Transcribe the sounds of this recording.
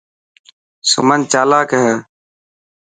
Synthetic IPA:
sʊ̰mənt͡ʃaːlaːkəɦəː

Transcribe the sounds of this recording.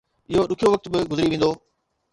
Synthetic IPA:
ɪɦoɗʊkʰijoʋɐk̚t̪bɪɡʊzɾiʋẽːnd̪oː

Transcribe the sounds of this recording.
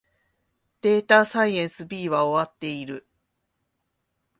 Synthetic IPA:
d̪̥e̞ːt̪asaiẽ̞ɰ̃sɨbʲiːβao̞βat̪ːe̞iɾɯ̟

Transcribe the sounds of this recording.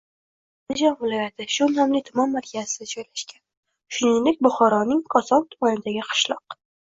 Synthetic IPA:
nd̪ɪd͡ʒɒnvɪlˠɒjat̪ʰɪʃʊnɒmlɪt̪ʰʊmɒmːaɾkʲʰazɪd̪ad͡ʒɒjlaʃkʲan | ʃʊnɪŋd̪ɪk̚ʲbʊχɒɾɒnɪŋkʰɒsɒwt̪ʰʊmanɪd̪aɡʲɪqʰɨ̥ʃlˠɒq

